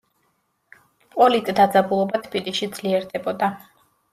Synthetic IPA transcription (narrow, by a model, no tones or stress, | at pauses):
pʼɔlit̪ʼd̪ad̪zabulˠɔbat̪ʰb̥iliʃid̪z̥liɛɾd̪ɛbɔd̪a